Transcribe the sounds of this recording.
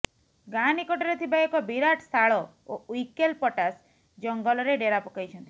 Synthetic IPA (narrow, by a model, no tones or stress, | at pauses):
ɡanikɔʈɔɾet̪ʰibaekɔbiɾaʈsʰaɭɔ | oikelpɔʈas | d͡ʒɔŋɡɔlɔɾeɖeɾapɔkɔjt͡ʃʰɔnt̪i̥